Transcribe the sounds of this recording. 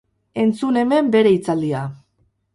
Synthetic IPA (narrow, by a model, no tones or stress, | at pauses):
e̞nt͡sune̞me̞mbe̞ɾe̞it͡sald̪ia